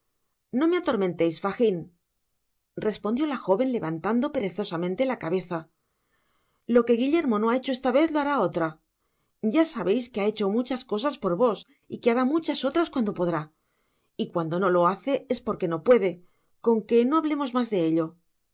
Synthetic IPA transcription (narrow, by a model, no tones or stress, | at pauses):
no̞me̞at̪o̞ɾmẽ̞nt̪e̞jsfaxin | re̞spond̪jo̞laxo̞βe̞nle̞βant̪and̪o̞pe̞ɾe̞θo̞samẽnt̪e̞lakaβe̞θa | lo̞ke̞ɣiʎe̞ɾmo̞no̞ae̞t͡ʃoest̪aβe̞θloaɾao̞t̪ɾa | ɟ͡ʝasaβe̞jskeae̞t͡ʃo̞mut͡ʃasko̞s̬aspo̞ɾβo̞s | ikeaɾamut͡ʃaso̞t̪ɾaskwand̪o̞po̞ðɾa | ikwand̪o̞no̞lo̞aθe̞e̞spo̞ɾke̞no̞pwe̞ðe̞ | ko̞ŋke̞no̞aβ̞le̞mo̞zmazðe̞e̞ʎo̞